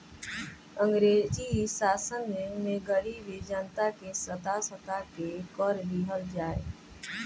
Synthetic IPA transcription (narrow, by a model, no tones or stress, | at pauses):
ə̃ŋɡɾeːd͡ʒiisaːsənmẽɡəɾibed͡ʒənt̪akesət̪asət̪akekɔːɾbʱiɦəld͡ʒaːḛ